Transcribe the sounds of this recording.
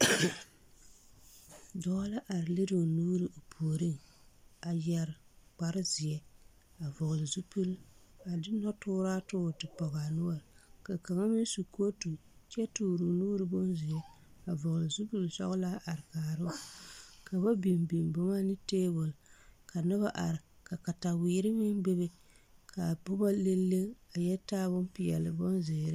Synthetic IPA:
dɔ˨˦la˦ʔa˨ɾɪ˨le˦do˨nuː˦ɾɨ˨ʔo˨pʰoː˨ɾi˦ŋ | a˨jɛ˨ɾk͡pa˨ɾɨ˦zɪ˨jɛ˦ | a˨vʊ˨ɣlɪ˨zu˦pu˦la˨dɪ˦nɔ˦tʊː˦ɾaː˦tʊ˦˨tɨ˨pɔ˨ɣa˨nu˦a˨ɾka˨ka˨ŋa˦mɪ˦n˦su˨ko˦tu˨t͡ʃɛ˦tuː˨ɾu˨nuː˦ɾɨ˨bo˦nzɪ˨jɛ˦ | a˨vʊ˨ɣlɨ˨zu˦pu˦lsɔ̰˦ɣla˦ʔa˨ɾɨ˨kaː˨ɾɨ˦˨ka˨ba˦bi˨mbi˨mbʊ˦ma˦nɨ˦teː˦bʊ˨lka˨nɨ˦βa˦ʔa˨ɾɪ˨ | ka˨ka˨ta˨wiː˨ɾɪ˦mɪ˦nbe˦be˦ | kʰa˨bʊ˦ba˦le˦lːe˦ŋa˨jɛ˦taː˦βʊ˦mpɪ˨jɛ̰˨lɨ˨bo˦nzɪː˨ɾɨ˦

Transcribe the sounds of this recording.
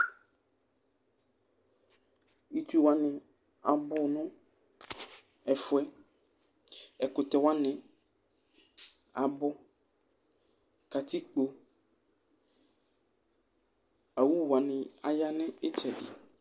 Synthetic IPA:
i˦t̪u˦wa˦nɪ̃˨ | a˨bʊ˦nʊ̃˦ | ɛ˨fʊ˦ɛ˦ | ɛ˨kʊ˨t̪ɛ˨wa˦nɪ̃˨ | a˨bʊ˦ | ka˨t̪ʰi˦k͡po˨ | a˨wu˦wa˨nɪ̃˨a˨ja˦nɪ̃˦ɪ˦t͡ʃʰɛ˨dḭ˨

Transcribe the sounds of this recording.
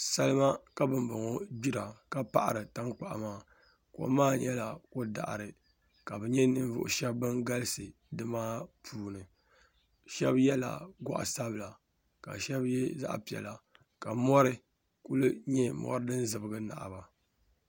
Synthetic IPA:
sa˦lɨ˦ma˦ka˦bɨ˨mbʊ˨ŋo˦bi˦ɾa˨ka˦pa̰˦ʔa̰˨ɾɨ˨ta˦ŋk͡pa˨ʔmaː˦ | ko̰˨˦maː˦ɲɛ˦la˨ko˦da̰˨ʔɾɨ˨ | ka˨bɨ˨ɲɛ˦nɨ˦ɱ˦vʊ̰˨ʔʊ̰˨ʃɛ˦bbɨ˦ŋɡa˦lɨ˦sɨ˨ | dɨ˦maː˦pʰuː˦nɨ˨ | ʃɛ˦bjɛ˦la̰˨ɡa̰˦ʔa̰˨sa˦bɨ˨la˨ | ka̰˨ʃɛ˦bjɛ˦za̰˦ʔpi˨ɛ̰˨la˨ | ka˨mɔ˦ɾɨ˦ | ku˦lɨ˦ɲɛ˦mɔ̰˦ɾɨ˦dɨ˦n˦zɨ˨bɨ˨ɡɨ˦na̰˨ʔba˨

